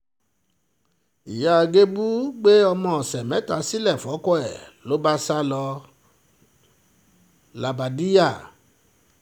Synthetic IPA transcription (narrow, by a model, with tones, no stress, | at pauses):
i˨ja˨˦˧ɡe˦bu˦ɡ͡be˦ɔ˧mɔ̃˧˨ɔ˨sɛ˨mɛ̃˨˦ta˨˧˦si˦lɛ˦˨fɔ˨˦kɔ˦ɛ˨lo˨˦ba˦sa˦lɔ˧ | la˨ba˨di˦ja˦˨